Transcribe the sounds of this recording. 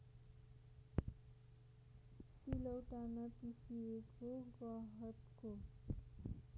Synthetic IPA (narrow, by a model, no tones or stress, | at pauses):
silʌwʈanʌpisiekoɡʌɦʌt̪ko